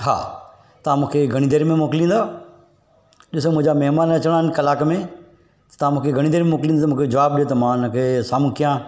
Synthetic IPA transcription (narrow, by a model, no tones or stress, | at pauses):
ɦa̰ː | t̪ɐʋãmũːkʰeɡʱɐɽ̃id̪eːɾmẽmoːkɪlĩːnd̪aː | ɗɪsomʊ̃ɦd͡ʑamɛɦmaːnɐt͡ɕəɽ̃aːɦɪnkɐlaːkmẽ | t̪ɐ̥t̪ɐãmũːkʰeɡʱɐɽ̃id̪eːɾmẽmoːklĩnmũːkʰed͡ʑɐʋaːb̚ɗijot̪ɐmãnə̃kʰesaːmũkijãː